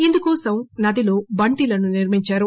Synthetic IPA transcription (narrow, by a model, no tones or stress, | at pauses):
ind̪ukɔːsɐmnɐd̪iloːbɐɳʈilɐnuniɾmiɲt͡ʃaːɾu